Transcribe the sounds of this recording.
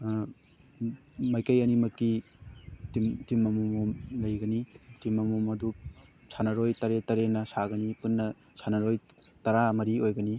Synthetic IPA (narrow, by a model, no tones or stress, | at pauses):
mɐjkɐjɐnimɐkːi | timtimːɐmumomlɐjɡɐnitimːɐmumɐdu | sʰanɐɾojtɐɾetɐɾenɐsaɡɐnipunːɐ | sʰanɐɾojtɐɾamɐɾiojɡɐni